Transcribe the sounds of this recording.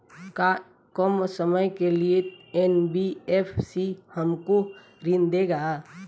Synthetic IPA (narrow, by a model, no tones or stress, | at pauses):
ka | kɔmsəməjkelieɛnbieːpʰsihəmko | ɾɪnd̪eɡaː